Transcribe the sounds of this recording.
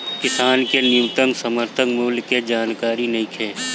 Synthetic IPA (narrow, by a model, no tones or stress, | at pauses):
kɪsaːnkenɪjut̪ənsəməɾt̪ʰəŋmuːlked͡ʒaːnkaːɾinɐɦĩkʰeː